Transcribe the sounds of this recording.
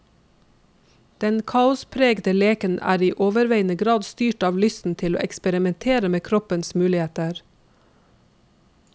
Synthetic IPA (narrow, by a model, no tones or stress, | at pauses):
d̪̥ɛnkʰɑːʊspʰɾeːɡd̪əleːkənʔæ̰ːɾiːʔoːʋəɾʋeɪnəɡɾɑːd̪st̪yːʈɑːʋlʏst̪n̩t̪ʰɪlo̰ːʔɛkspəɾɪmɛnt̪ʰeːɾəmeːkʰɾɔpənsmʉːlɪheːt̪əɾ